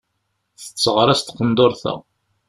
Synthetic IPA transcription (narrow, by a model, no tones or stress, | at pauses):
θə̥t͡sːəʁɾˤæst̪qənd̪oɾθæ̰